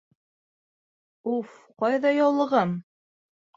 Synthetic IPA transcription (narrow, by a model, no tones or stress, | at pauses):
uf | qɑjðɑjɑwlˠɤ̆ʁɤm